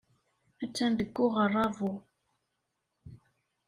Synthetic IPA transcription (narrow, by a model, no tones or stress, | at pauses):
æt͡sːænd̪əɡːʊʁərˤːɑvu